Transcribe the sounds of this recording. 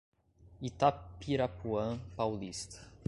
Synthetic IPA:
it̪apiɾapuɐ̃pawlist̪ɐ̥

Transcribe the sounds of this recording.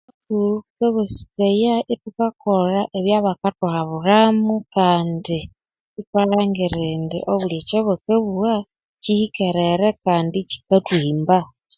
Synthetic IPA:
akulukeβusi̥kejaʔitukakoɾaʔeβjaːβakatuhaβuɾamukaːndi | itwaɾaːŋɡiɾeːndḭʔoβulecoβokeβuwa | cihikeɾeɾekaːndici̥katwiːmba

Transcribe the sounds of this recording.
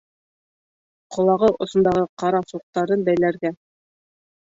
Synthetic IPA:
qʰŏlˠɑʁɤʔŏsŏnd̪ɑʁɤqɑɾɑsuq̚t̪ɑɾɤnbæjlæɾɡæ

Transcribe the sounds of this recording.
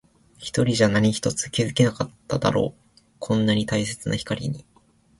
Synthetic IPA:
çi̥t̪o̞ɾʲiʑanaɲ̟içi̥t̪o̞t͡sɨ̥kʲizɨkʲenakat̪ːad̪a̰ɾo̞̰ː | kʰõ̞nːaɲ̟it̪ais̬e̞t͡sɨna̰çi̥kaɾʲḭɲ̟i

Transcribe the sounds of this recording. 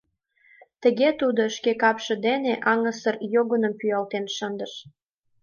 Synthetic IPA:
t̪ə̆ɣet̪ud̪oʃkekɑpʃə̆d̪eneʔɑŋəsərjoɣə̆nə̆mpyɑlt̪enʃənd̪əʃ

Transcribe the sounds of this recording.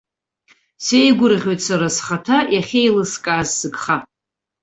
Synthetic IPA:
sejɡʷʊrʁʲojtʼsaɾasχatʰajaχʲejlɨskʼaːzːɨkχa

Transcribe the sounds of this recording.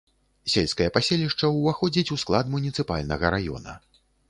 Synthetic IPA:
sʲelʲskɐjɐpasʲelʲiʂt͡ʂɐwvaxɔd͡zʲit͡sʲusklˠad̪munʲit̪sɨpa̰lʲnɐɣɐɾajɔ̰nɐ̰

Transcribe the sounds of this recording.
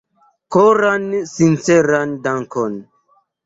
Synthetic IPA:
koɾansint͡seɾandaŋkon

